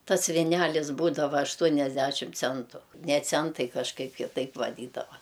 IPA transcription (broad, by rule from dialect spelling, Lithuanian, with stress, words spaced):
ˈtɐs ʋʲɪˈnʲælʲɪzˈbuːdɐʋɐ ɐʃˈtuɔnʲɛzʲdʲæʃʲɪm ˈt͡sʲɛntʊ nʲɛ ˈt͡sʲɛntɐɪ kɐʃˈkɐɪp kʲɪˈtɐɪp ʋɐˈdʲiːdɐʋɐ